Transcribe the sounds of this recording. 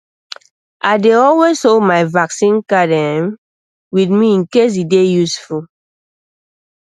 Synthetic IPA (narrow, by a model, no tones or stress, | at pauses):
ʔaɪdeɔlwezsolmaɪvaksĩnkadɛm | witmiĩnkes̬idejusful